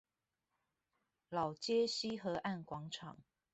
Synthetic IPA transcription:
lɑ˨˩ʊt͡ɕjɛ˥ɕi˥xɤ˨˧˥ʔa˥˨nkwɑ˧˥ŋʈ͡ʂʰɑ̰˨˩˦ŋ

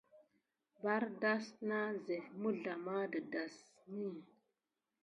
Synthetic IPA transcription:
ba˦ɾda˦sna˦ze˨mu˦ɮa˨ma˦də˨da˨s | ni˦˨

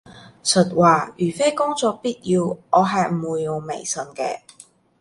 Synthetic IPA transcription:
sʰɵ˨˩t̚waː˨jyː˨˩fe˥jkʊ˥ŋt͡sɔː˧k̚piː˥t̚jiː˧wɔː˨˧ɦɐ˨jm̩˨wuː˨˧jːʊ˨ŋmḛ˨˩jsɵ˨˧nkɛ̰ː˧

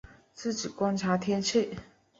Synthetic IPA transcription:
t͡sɹ̩˥˩t͡ɕi˨˩kwa˥nʈ͡ʂʰa˧˥t̪ʰjɛ˥nt͡ɕʰi˥˩

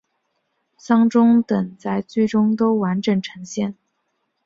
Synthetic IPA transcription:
sɑ˥ŋʈ͡ʂʊ˥ŋt̪ə˨˩ŋt͡sa˥˧ɪt͡swe˥˩ɪʈ͡ʂʊ˥ŋt̪o˥ʊwa˧˥nʈ͡ʂɤ˨˩ŋʈ͡ʂʰɤ˧˥ŋɕjɛ˥˩n

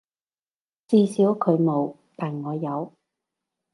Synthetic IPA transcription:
t͡siː˧siː˨˥wkʰɵ˨˧ɥmo˨˧w | t̪aː˨˩nŋɔː˨˧jɐ˨˧w

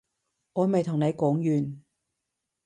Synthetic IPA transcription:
ŋɔː˨˧˥mɐ˨jt̪ʰʊ˨ŋne˨˧jkɔː˨˥ŋjyː˨n

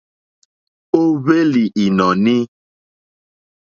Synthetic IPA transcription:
o˦βe˦li˨ʔi˨nɔ̃˨nĩ˦

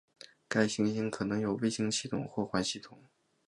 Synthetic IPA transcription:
ka˥˩ɪɕi˧˥ŋ˨˩i˥ŋkʰɤ˨˩nɤ˧˥ŋjo˨˩ʊwe˥˩ɪɕi˥ŋɕi˥˩t̪ʰʊ̰˨˩ŋxwɔ˥˩xwa˧˥nɕi˥˩t̪ʰʊ˨˩˦ŋ

